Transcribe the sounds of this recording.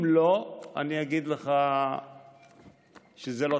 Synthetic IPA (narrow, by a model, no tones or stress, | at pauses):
mloa̰niaɡid̪leχa | ʃezelo